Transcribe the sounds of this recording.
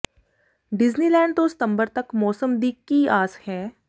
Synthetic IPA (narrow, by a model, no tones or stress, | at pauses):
ɖɪzniːlɛ̃ːɳɖ̚t̪õsɪ̥t̪ə̃mbəɾt̪ɐkmɔːsəmd̪iːkkːiaːshɛː